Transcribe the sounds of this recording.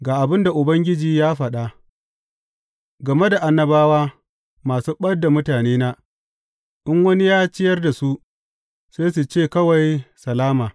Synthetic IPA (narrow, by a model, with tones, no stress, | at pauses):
ɡaː˨ʔa˨bɪ˦nda˨ʔʊ˨bɐ˦ŋɡʲɪ˦d͡ʒiː˨jaː˦ɸɐ˨ɗa˦ | ɡɐ˨me˦da˨ʔa˨nːɐ˦baː˦waː˦ | maː˨suː˦ɓɐ˦dːa˨mʊ˦taː˨neː˦naː˦ | ʔɪ˦ŋwɐ˦ni˦jaː˦t͡ʃɪ˦jɐ˦rda˨su˦ʔ | seː˦s̬u˨t͡ʃeː˦˨kɐ˦wa˨jsɐ˨laː˦maː˨